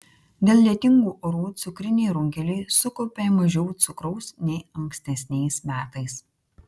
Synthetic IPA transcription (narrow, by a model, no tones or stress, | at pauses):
d̪ʲeːlˠlʲiɛt̪ʲɪŋɡuːʔɔɾuːt̪sʊkɾʲɪnʲɛɪɾʊŋʲkʲɛlʲɪɪsʊkoːpʲeːmɐʒʲɛʊt̪sʊkɾɔʊsnʲɛɪɐŋksʲt̪ʲɛsʲnʲɛɪsmʲæːt̪ɐɪs